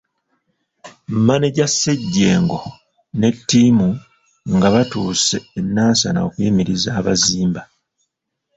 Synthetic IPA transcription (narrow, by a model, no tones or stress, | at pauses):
mmaniɟasːe̞ɟːeːŋɡo̞ | ne̞tːiːmu | ŋɡaβatuːse̞ːnːaːnsa̰na̰okwiːmiɾizaːβaziːmba